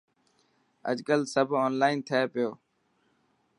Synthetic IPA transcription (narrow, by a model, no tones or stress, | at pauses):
ə̰d͡ʒkəlsəbʱoːnlaːɪnt̪ʰəeːpɪjoː